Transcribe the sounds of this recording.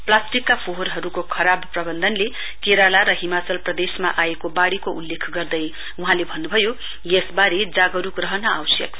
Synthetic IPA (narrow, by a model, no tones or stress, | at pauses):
plasʈikːapʰoɦoɾɦʌɾukokʰʌɾabprʌbʌnd̪ʱʌnle | keɾalaɾʌɦimat͡sʌlprʌd̪esma̰ʔaekobaɽikoʔulːekʰɡʌrd̪ʌj | uɦãlebʱʌnːubʱʌjo | jesbaɾed͡zaɡʌɾukrʌɦʌnʌawsjʌ̰k